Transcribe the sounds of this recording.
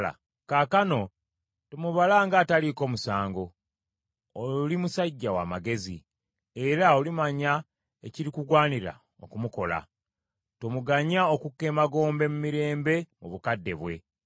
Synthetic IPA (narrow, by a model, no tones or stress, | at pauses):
a̰ | kakano̞ | tomuβalaŋɡaːtaliko̞ːmusaːŋɡo̞ | limusaɟːawa̰ːmaɡe̞zḭ | e̞ɾao̞limaɲa | eciɾikuɡwaːniɾa̰ | o̞̰kumuko̞la̰ | tomuɡaɲaokukːe̞ːmaɡo̞ːmbe̞mumiɾe̞ːmbe̞muβukadːe̞βwe̞̰